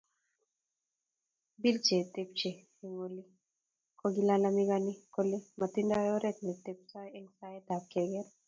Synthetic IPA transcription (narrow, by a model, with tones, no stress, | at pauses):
bi˦lt͡ʃe˨t̪ep̚t͡ʃe˨ | e˨ŋoli˦ | koɡi˦lalamiɡani˦ko˦le˦ma˨t̪inda˦jɔ˦ɾɛ˦t̪nɛ˨t̪e˦p̚sa˦jɛ˦ŋsajɛt̪a˨kɛɡɛɾ